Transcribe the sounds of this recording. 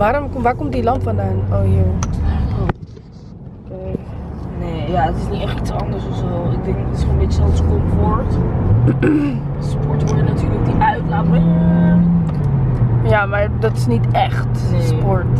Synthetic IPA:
ʋaːɾɔmkmʋaːɹkɔmt̚dilɑntfɔndaːnojo | o | kejneːjaətɪsniɛχtitsɑndəɹsɔsɛlˠɪɡ̚dɛŋkətɪ̥sχonʋɪtsɔlskɔnfɔɹt | spɔɹtʋɔɹdənatyːɹlək̚diœɥtlatɛ | jamaɹdɑtɪ̥snitɛχtspɔɹt

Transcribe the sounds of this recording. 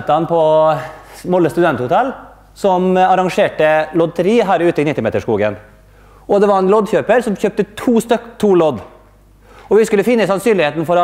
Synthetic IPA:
t̪ɑnpʰɔ | mɔlːəst̪ʉd̪ɛnt̪hʊt̪ʰɛl | sɔmɑɾɑŋʂeːʈəlɔd̪̚t̪ʰɾiːɦæːɾʉːt̪əɪnɪt̪ːɪmḛːt̪əʂkuːɡə̰n | ɔd̪ɛʋɑɾɛnlɔd̪çøːpəɾsɔmçøːp̚t̪ət̪ʰuːst̪œkt̪ʰuːlɔd̪ | ɔʋɪskʉlːəfɪnːəsɑnsyːlɪheːt̪n̩fɔɾ

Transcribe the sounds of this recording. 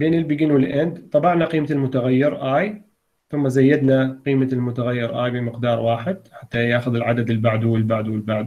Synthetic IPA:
beːnɪlbɪɡɪnwɪlʔɪnd̪t̪ˤɑbɑʕnaqiːmalmʊt̪aɣajːɪɾʔaːj | θʊmːazajːad̪naqiːmalmʊt̪aɣajːɪɾʔaːjbɪmɪqd̪ɑːɾˤwaːħɪd̪̚ħat̪ːajaːxʊðɪlʕad̪ad̪ɪlbaʕd̪uwɪlbaʕd̪wɪlbaʕd̪

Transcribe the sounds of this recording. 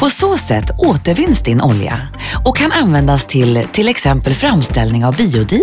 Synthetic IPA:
pʰɔsoːsɛ̰t̪ʰːoːt̪əɾvɪnːsd̪ɪnʔɔlja̰ | ɔkʰːananvɛnd̪ast̪ʰɪlt̪ʰɪlɛksɛmpəlfɾamst̪ɛlnɪŋavbiːʊd̪y

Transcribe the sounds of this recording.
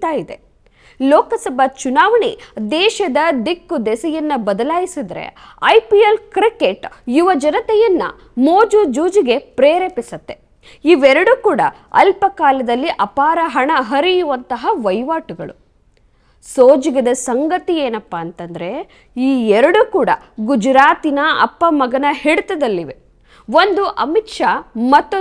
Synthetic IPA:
t̪aːjid̪e̞ | lɔːkɐsɐbʱɐt͡ʃunaːʋɐɳid̪ɛːʃɐd̪ɐd̪ikːud̪ɛsɛjɐnːɐbɐd̪ɐlaːjisid̪ɐɾḛɐjpielkɾikeʈjuʋɐd͡ʒɐnɐt̪ɛjɐnːɐ̰ | moːd͡ʒud͡ʒuːd͡ʒiɡe̞pɾeːɾeːpisɐt̪ːe̞ | iʋɛɾɐɽukuːɽɐ̰ | ɐ̰lpɐkaːlɐd̪ɐlːiʔɐpaːɾɐɦɐɳɐɦɐɾijuʋɐnt̪ɐɦɐʋɐjʋaːʈuɡɐɭṵ | soːd͡ʒiɡɐd̪ɐsɐŋɡɐt̪ieːnɐpːɐːnt̪ɐnd̪ɐɾe̞ | iːɛɾɐɽukuːɽɐ | ɡud͡ʒɾaːt̪inɐɐ̰pːɐmɐɡɐnɐheɽut̪ɐd̪ɐlːiʋe | ʋond̪uʔɐmitʂamɐt̪ːu

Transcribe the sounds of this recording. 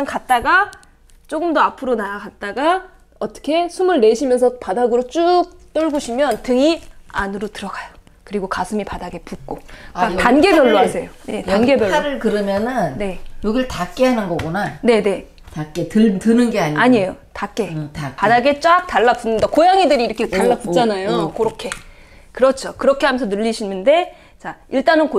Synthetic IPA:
aŋkat̚t͈aɡa | t͡ɕ͈oɡɯmdoapʰɯɾonaakat̚t͈aɡa | ʌt͈ʌ̥kʰe̞sʰumɯɭːe̞ɕʰimjʌnsʰʌpadaɡɯɾot͡ɕ͈uk̚t͈ʌɭɡoɕʰimjʌntɯŋianɯɾotɯɾʌɡajo | kɯɾiɡokasʰɯmipadaɡe̞puk̚k͈oatanɡe̞pjʌɭːoasʰejone̞tanɡe̞bjʌɭːɾɯɭkɯɾɯmjʌnɯnne̞joɡiɭtak͈eɦanɯnɡʌɡonane̞ne̞ | tak͈etɯtɯnɯnɡe̞aɲiaɲiejotak͈e̞padaɡe̞t͡ɕ͈ak̚taɭːak̚punːɯndakojaŋidɯɾiːɾʌkʰetaɭːak̚p͈ut͡ɕ͈anajokoɾokʰe̞ | kɯɾʌt͡ɕʰokɯɾʌkʰe̞ɦamensʰʌnɯʎːiɕʰinːɯnde̞ | t͡ɕaiɭt͈anɯnko

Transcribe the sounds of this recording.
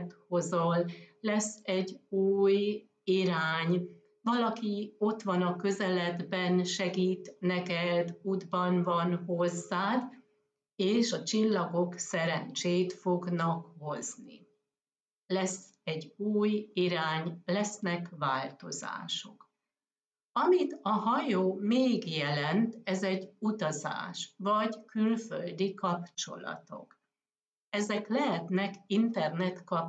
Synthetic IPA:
t̪ho̞zollɛsːɛɟːuːj | iɾaːɲ | vɒlɒkio̞t̪ʋɒnɒkø̞zɛlɛd̪bɛnʃɛɡiːt̪nɛkɛd̪uːd̪bɒnvɒnho̞zːaːd̪ | eːʃɒt͡ʃilːɒɡo̞ksɛɾɛnt͡ʃeːt̪fo̞ɡnɒkho̞znḭ | lɛsː | ɛɟːuːjiɾaːɲlɛsnɛkvaːlt̪o̞za̰ːʃok | ɒmit̪ɒɦɒjoːmeːɡjɛlɛnt̪ɛzɛɟut̪ɒza̰ːʃvɒɟkylfø̰ld̪ikɒpt͡ʃo̞̰lɒ̰t̪o̞̰k | ɛzɛklɛɦɛt̪nɛkint̪ɛrnɛt̪kɒp

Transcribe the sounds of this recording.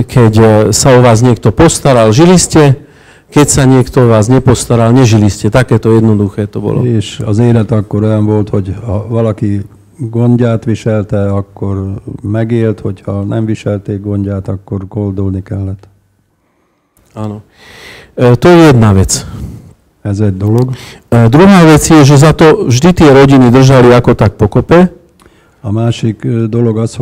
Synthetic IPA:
kʰɛcsaɔʋaːzɲɪɛk̚t̪ɔpɔst̪aɾalʒiliscɛ | kɛcsaɲɪɛkt̪ɔɔʋaːzɲɛpɔst̪aɾalɲɛʒiliscɛt̪akɛːt̪ɔjɛd̪nɔd̪uxɛːt̪ɔbɔ̰lɔ̰eːʃɔ̰zeːlɛt̪ɑkːoɾojɑnʋolt̪hoɟhɔʋɔlɑki | ɡoɲɟaːt̪ʋiʃɛlt̪ɛɑkːoɾmɛɡeːlt̪hochɔnɛ̰mʋiʃɛlt̪eːɡ̚ɡonɟaːt̪ɒkːorɡold̪olnikɛlːɛt̪ | anɔ | t̪ojɛjɛd̪naʋɛt͡s | ɛzɛɟ̚d̪oloɡd̪ɾuɦaːʋɛt͡sjɛʒɛzat̪ɔvʒd̪it̪ɪɛɾɔɟinid̪r̩ʒaliakɔt̪ak̚pɔkɔpɛ | ɒmaːʃikd̪oloɡɒs

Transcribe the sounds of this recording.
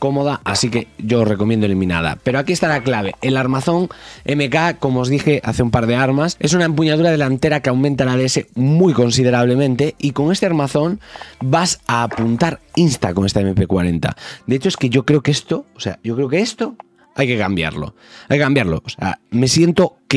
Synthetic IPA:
ko̞moð̞aʔasike̞ʝoːsreko̞mjend̪oelimĩna̰ð̞a̰pe̞ɾoakiest̪aɾaklaβ̞e̞elaɾmaθo̞ŋemekako̞moːzðixeʔa̰θeumpaɾð̞e̞aɾmase̞sunaempuɲaðuɾað̞e̞lant̪e̞ɾakeawmẽnt̪alaðeesemujkõ̞ns̬ið̞e̞ɾaβ̞le̞mẽnt̪e̞iko̞ŋe̞st̪eaɾmaθo̞ŋbasaːpunt̪aɾinst̪akoŋe̞st̪aemepekwa̰ɾe̞nt̪a̰d̪eet͡ʃoeskeʝo̞kɾe̞okest̪oose̞̰a̰ʝo̞kɾeokeest̪o | ajke̞kambja̰ɾlo̰ | ajkekambjaɾlo̰osea̰me̞sje̞nt̪ok

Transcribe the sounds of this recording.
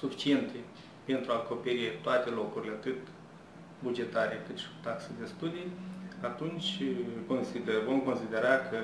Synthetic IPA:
sufi̥t͡ʃie̞nt̪ʰe̞ | pe̞nt̪ɾuako̞pe̞ɾit̪oat̪e̞lo̞kuɾilʲe̞at̪ɨt̪ | bud͡ʒe̞t̪aɾe̞kɨt̪ʃi̥ku̥t̪aksed̪e̞st̪ud̪ijat̪unt͡ʃʲko̞nsid̪evo̞mko̞nsid̪e̞ɾakʰə

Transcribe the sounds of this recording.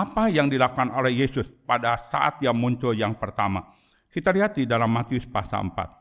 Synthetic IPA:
ʔapajaŋdilakukanolɛhjesʊspadasa̰ʔa̰t̪jaŋmuɲt͡ʃʊljaŋpərt̪ama̰ | kit̪aliɦat̪idalamːat̪iʊspa̰sa̰lə̰mpa̰t̪̚

